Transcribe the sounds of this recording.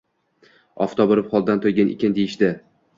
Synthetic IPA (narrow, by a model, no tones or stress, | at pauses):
ɒ̰ft̪ʰɒboɾɪpχɒlˠd̪ant̪ʰojɡʲanʔɪ̰kʲɪnd̪ejɪʃd̪ɪ